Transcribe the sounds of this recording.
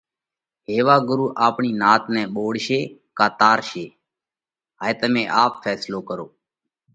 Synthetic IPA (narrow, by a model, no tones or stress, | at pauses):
ɦeːʋaːɡʊɾuːʔaːpɳiːnaːt̪nɛ̃ːɓoːɽʃeːkaːt̪aːɾʃeː | ɦaːet̪əmẽːʔaːpfʰɛːsloːkəɾoː